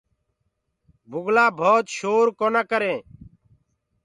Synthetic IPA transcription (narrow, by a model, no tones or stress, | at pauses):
bʱʊɡlaːbʱoːt̪ʃoːɾkoːnaːkəɾẽː